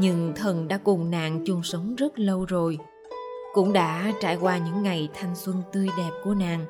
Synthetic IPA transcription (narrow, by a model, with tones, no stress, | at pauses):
ɲɨ˧ŋt̪ʰə˨˩nɗa̰ː˧˥kʊ˨˩ŋ͡mna̰ː˧˨ŋt͡ɕu˧˩ŋ͡msə˨˦wŋ͡mzə˦˥t̚lə˧wzo˨˩j | kʊ̰˧˥ŋ͡mɗa̰ː˧˥t͡ɕaː˧˩jkwaː˧ɲɨ̰˧˥ŋːa˨˩jt̪ʰa˧jŋ̟swə˧nt̪ɨ˧əjɗɛ˨˩p̚ku˧˩əna̰ː˨ŋ